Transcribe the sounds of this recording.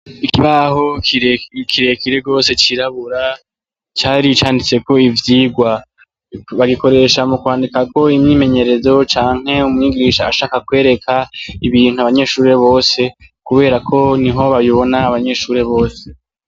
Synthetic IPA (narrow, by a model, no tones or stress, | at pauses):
ikiβaɦo̞kikʰiɾe̞kiɾe̞ɡo̞ːse̞t͡ʃiɾaβuɾa | t͡ʃaːɾit͡ʃaːndit͡se̞ko̞ivjiːɡwa | βaɡiko̞ɾe̞ʃamukwaːndikako̞imɲiːme̞ɲe̞ɾe̞zo̞t͡ʃaːŋ̥he̞umŋiɡiːʃaːʃaːkakwe̞ːɾe̞kʰaiβiːnhuaβaɲe̞ːʃuːɾe̞βo̞ːse̞ | kuβe̞ːɾakʰo̞niɦo̞βajiβo̞naːβaɲe̞ʃuːɾe̞βo̞ːse̞